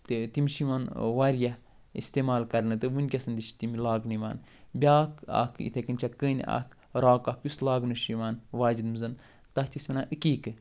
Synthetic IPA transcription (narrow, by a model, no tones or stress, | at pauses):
t̪ɨt̪imʲʃiʋaːnʋaːɾja | ḭst̪eːmaːlkɐɾnɨt̪ɨʋɨnʲkʲɐsɐnd̪it͡ʃʰi̥t̪imlaːɡnɨʋa̰ːn | bʲaːkʰa̰ːkʰḭt̪ʰekɨnʲt͡ʃʰakəːnḭʔa̰kʰ | ɾaːkaːkʰjuslaːɡnɨʃiʋaːnʋaːd͡ʒid̪mɨzɐn | t̪ɐht͡ʃisʲmɐnaʔɨkiːkɨ